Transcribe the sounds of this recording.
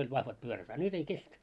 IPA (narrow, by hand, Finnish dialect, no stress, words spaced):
olʲ ʋɑhʋɑt pyøræt ɑ nyt ei kestæ